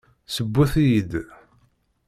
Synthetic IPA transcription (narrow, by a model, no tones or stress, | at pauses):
səbːuθijid̪